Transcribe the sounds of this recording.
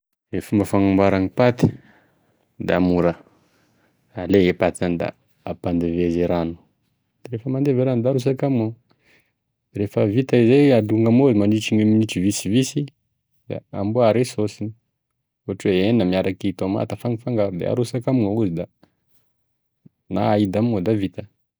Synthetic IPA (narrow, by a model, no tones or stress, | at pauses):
ɾefəmbafaŋumbaɾaŋipat̪i̥ | d̪amuɾə | aleepat͡sanid̪a̰ː | pand̪evezeɾanu̥ | d̪̥aɾefəmand̪eveɾand̪aɾus̬akamiŋa | ɾefəvit̪aizead̪uŋɡamozimaniʈ͡ʂiŋeminiʈ͡ʂivisivisi | d̪a̰ambuaɾesosini | oʈ͡ʂweenamiaɾakit̪oma̰t̪afaŋifaŋɡaɾud̪ḛa̰ɾusakamuŋauzid̪a | naaid̪amŋod̪avit̪ə̥